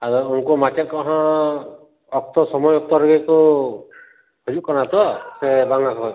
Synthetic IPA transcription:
aɾuunkumat͡ʃɛt̪̚kɔɦã | ɔk̚t̪ɔsɔmɔjɔk̚t̪ɔɾeɡeku | hɔd͡ʒuʔ̚kɔnat̪ɔsebaŋakʰɔ

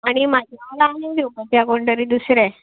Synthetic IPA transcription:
aɽ̃imad͡ʑʱjalaːɦẽd̪opət̪jaɡoɳɖəɾiːd̪usɾɛ

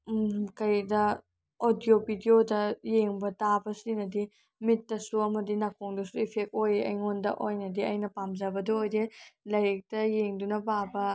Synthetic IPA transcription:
kɐjdɐ | odijopidiodɐjeŋbɐtabɐsinɐdi | mitːɐsuɐmɐdinakʰoŋdɐsuipʰek̚ojɐ̰jŋondɐ̰ʔojnɐdiɐjnɐpamzɐbɐduojdelɐɾek̚tɐjeŋdunɐbabɐ

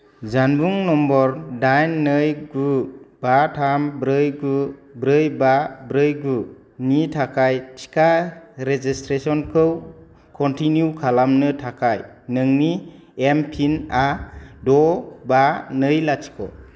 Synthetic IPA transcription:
zanbuŋnɔmbɔɾdajnːɯjɡub̥atʰambɾɯjɡubɾɯjbabɾɯjɡu | nitʰakʰajtʰi̥kʰaɾed͡ʒistɾesɔnkʰɯw | kʰɔntʰinjukʰalamnɯtʰakʰajnɯŋni | empʰinadɔbanɯjlatʰi̥kʰɔ̰

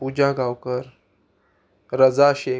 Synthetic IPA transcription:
pud͡ʑaɡawkəɾ | ɾəd͡zaɕe

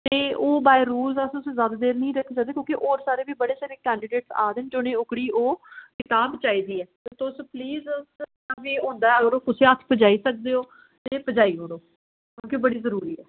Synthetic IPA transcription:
t̪eːoːbaːeɾuːlzəsʊszad̪d̪eːɾnĩːɾəkʰːisakd̪eːkjõːkiʔoːɾsaːɾeːbiːbəɽeːsaːɾeːkɛːɳɖiɖeːʈsaːd̪ɪnd͡ʒoːnẽːʊkɽiːoːkɪt̪aːbt͡ʃaːiːd̪iːɛːt̪et̪ʊspliːz | abiːɦõːnd̪aːɛəɡəɾoːkʊseːət̪ʰːpəd͡ʒaːiːsək̚d̪eːoː | t̪eːpəd͡ʒaːiːɦõːɾoː | kjõːkibəɽiːzəɾuːɾiːɛː

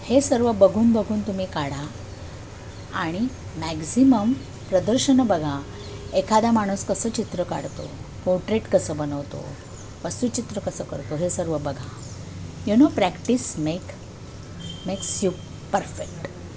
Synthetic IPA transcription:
hesəɾʋəbəɡʱuːnbəɡʱuːnt̪um̤iːkaɽa | aɽ̃imæksiməm | pɾəd̪əɾɕənbəɡʱa | ekʰad̪amaɽ̃uːskəsəːt͡ɕit̪ɾəka̰ɽt̪o̰poɾʈɾeʈkəsəːbənəʋt̪o̰ | ʋəst̪ut͡ɕit̪ɾəkəsəːkəɾt̪oɦesəɾʋəbəɡʱa | junopɾækʈismek | meksjup | pəɾfekʈ

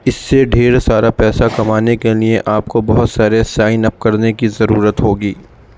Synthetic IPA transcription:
ɪsːeɖʱeːɾsaːɾapɛːsakɐmaːnekelieʔaːp̚kobɐɦʊt̪saːɾesaːɪnɐp̚kɐɾnekizɐɾuːɾət̪ɦoːɡiː

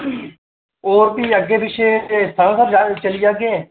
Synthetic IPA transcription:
oːɾbiːəɡːeːbɪʃʰeest̪ʰãːnsəɾat͡ʃəliːaːɡeː

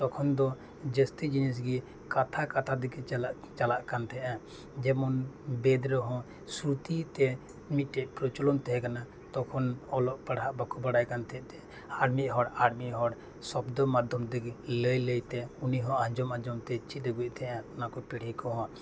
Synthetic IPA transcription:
t̪ɔkʰɔnd̪ɔ | d͡ʒəst̪id͡ʒinis̬ɡi | kat̪ʰakat̪ʰad̪iɡɛ | t͡ʃalaʔkant̪ʰɛʔã | d͡ʒɛmɔnbɛd̪ɾɔɦɔ̃ | sɾut̪it̪ɛ | mit̪̚ʈɛʔ̚pɾɔt͡ʃɔlɔnt̪ɛɦɛ̃kana | t̪ɔkʰɔnɔlɔʔpaɽɦaʔbakɔbaɽajkant̪ʰɛʔt̪ɛ | aɾmiʔ̪̚ˀɦɔɽaɾmiʔɦɔɽ | sɔbd̪ɔmad̪ʱjɔmd̪ɛɡləjləjt̪ɛuniɦɔ̃ãd͡ʒɔmãd͡ʒɔmt̪ɛt͡ʃit̪̚ɾɛɡuc̚ˀt̪ʰɛʔãɔnakɔpɛɽ̤ikɔɦɔ̃

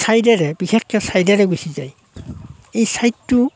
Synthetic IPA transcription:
sajdɛɹɛbixʰekʰjɔsajdaɹɛɡujsizaj | ejsajtːu

